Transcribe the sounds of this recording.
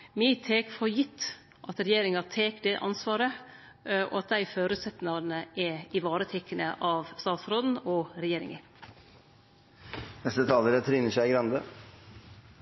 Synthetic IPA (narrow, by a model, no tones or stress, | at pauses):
mɪːt̪ʰeːkfɔɾjɪt̪ː | ʔɑt̪ɾɛjeːɾɪŋɑt̪ʰeːkd̪ɛʔɑ̰nsʋɑːɾə | ʔɔ̰ɑt̪̚d̪æɪføːɾʉːt̪sɛt̪n̩ɑnəʔɛɪʋɑːɾət̪ʰɛkənəʔɑʋst̪ɑːt̪sɾoːd̪n̩ɔɾɛjeːɾɪ̰ŋə̰n | nɛst̪ət̪ʰɑːləɾət̪ʰɾiːnəʂæɪɡɾɑnd̪ə